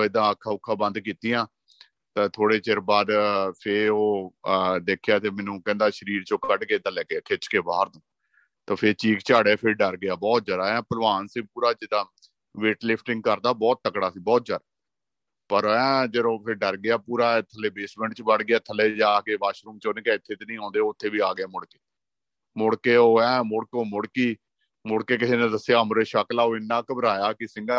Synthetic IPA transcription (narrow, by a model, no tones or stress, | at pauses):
oɪd̪ãːəkʰːaːʊkʰːãːbə̃nd̪kiːt̪ijãː | t̪ãːt̪ʰoːɽeːt͡ʃeɾbaːd̪pʰeːoː | d̪eːkʰːjaːt̪eːmɛ̃ːnũːkɛ̃ːnd̪aːʃəɾiːɾt͡ʃõːkəʈkeːd̪əlɛːkeːkʰɪt͡ʃkeːbaːɾd̪ũː | t̪ãːpʰɪːt͡ʃiːkt͡ʃaːɽeːpʰɪɾɖəɾɡɪjaːbɔːt̪̚d͡ʒəɾaːɛ̃ːpəlʋaːnsiːpuːɾaːd͡ʒɪd̪aː | ʋeːʈlɪpʰʈɪ̃ŋɡ̚kəɾd̪aːbɔːt̪̚ːəkɽaːsiːbɔːt̪̚d͡ʒəɾa | pəɾɛ̃ːd͡ʒəɾõːpʰɪɾɖəɾɡɪaːpuːɾaːt̪ʰəleːbeːsmɛ̃ːɳʈt͡ʃbəɽɡɪaːt̪ʰəleːd͡ʒaːkeːʋaːʃɾũːmt͡ʃoːnẽːkaːɪt̪ʰːeːt̪eːnĩːɦãːnd̪eːoʊt̪ʰːeːbiːaːɡɪjaːmʊɽkeː | mʊɽkeːoːɛ̃ːmʊɽkoːmʊɽkiː | mʊɽkeːk̬ɪseːneːd̪əseəmɾeːʃəklaːoːɪnːãːkəbəɾaːjaːkɪsɪŋɡaː